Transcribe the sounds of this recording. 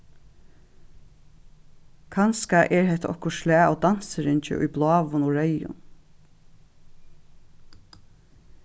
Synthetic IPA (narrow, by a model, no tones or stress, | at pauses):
kʰɑnskaʔɛɹɦɛt̪ɔ̰hkʊʃlæːɔd̪ansəɾɪɲt͡ʃɪ̰ʔʊ̰jblɑːʋʊnɔɹœjʊ̰n